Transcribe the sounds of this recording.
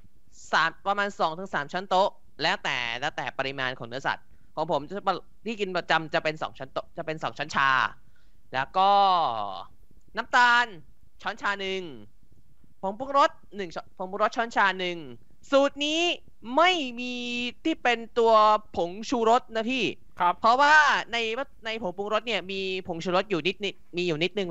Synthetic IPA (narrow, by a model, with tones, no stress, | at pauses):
saː˩˦mpɾa˧maː˧nsɔː˨˦ŋt̪ʰɯ˨˩˦sa̰ː˩˦mt͡ɕʰa˦˥nt̪o˦˥ʔ | lɛː˦˥wt̪ɛ̰ː˨˩lɛː˦˥wt̪ɛː˨˩pa˧ɾi˧maː˧nkʰɔ̰ː˩˦ŋnɯ˦˥ɐsa̰˨˩t̪̚ | kʰɔː˩˦ŋpʰo˩˦mt͡ɕa˧˩pa˧ | t̪ʰiː˥˩ki˧npa˧˩t͡ɕa˧mt͡ɕa˨˩pe˧nsɔ̰ː˩˦ŋt͡ɕʰa˦˥nt̪o˦˥t͡ɕa˨˩pe˧nsɔ̰ː˩˦ŋt͡ɕʰa˦˥nt͡ɕʰa̰ː˧ | lɛː˦˥wkɔː˥˩ | na˦˥mt̪aː˧n | t͡ɕʰɔː˦˥nt͡ɕʰaː˧nɯ˨˩ŋ | pʰo˩˦ŋpu˧˥ŋɾo˦˥t̪̚nɯ˨˩ŋt͡ɕʰpʰo˨˩˦pu˧ɾo˦˥t̪̚ʰɔː˦˥nt͡ɕʰaː˧nɯ˨˩ŋ | suː˨˩t̪̚niː˦˥ | ma˥˩jmiː˧t̪ʰiː˥˩pe˧nt̪u˧ɐpʰo˩˦ŋt͡ɕʰuː˧ɾo˦˥t̪̚na˦˥p̪ʰiː˥˩ | kʰpʰɔ˦˥waː˥˩na˧jna˧jpʰo˩˦ŋpu˧ŋɾo˦˥t̪̚ni˥˩ɐmiː˧pʰo˩˦ŋt͡ɕʰuː˧ɾo˦˥t̪̚juː˨˩ni˦˥t̪̚ | miː˧juː˨˩ni˦˥t̪̚nɯ˨˧ŋ